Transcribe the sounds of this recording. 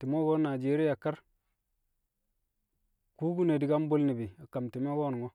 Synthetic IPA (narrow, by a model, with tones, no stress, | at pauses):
ti˨mo˦ɡo˦na˨d͡ʒe˨˦ɾi˦ja˨ka˦ɾ | ku˦ɡu˦ne˨di˨ɡa˦m˦bo˦lni˨bi˨a˨ka˨mti˨me˦ɡo˦nu˨ŋo˦